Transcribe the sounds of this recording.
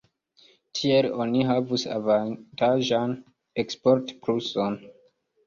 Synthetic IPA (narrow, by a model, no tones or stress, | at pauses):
tʰielo̞niɦavusa̰vantaʒan | ekspo̞ɾtpɾuson